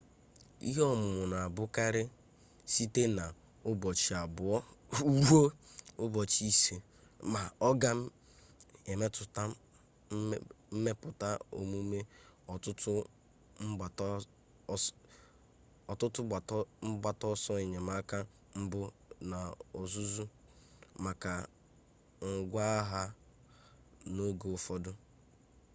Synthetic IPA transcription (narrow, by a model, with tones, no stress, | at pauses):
ḭ˦ɦɔ˦˨mʊ˨mʊ˨na˨a˨bʊ˦ka˦ɾɪ˦ | si˦te˦na˨ | ʊ˦bɔ˨t͡ʃi˨a˨bʊ˨ɔ˦u˦ɾu˦o˦ʊ˦bɔ˨t͡ʃi˦se˨ | ma˨ɔ˦ɡa˦ | e˨me˦tʊ˨ta˦ | m̩˦me˦pʊ˨ta˦o̰˨mu˦me˦ɔ˨tʊ˦tʊ˦ | m̩˦a˨t | ɔ˨tʊ˦tʊ˦˨˦m̩˦ba˨tɔ˦sɔ˦e˨ɲe˨ma˦ka˦ | m̩˦bʊ˦na˨o˨zu˦zu˦ | ma˨ka˨ | ŋ̩˨ɡʷa˦a˦ɦa˦ | no˦ɡo˨ʊ˨fɔ˦dʊ˦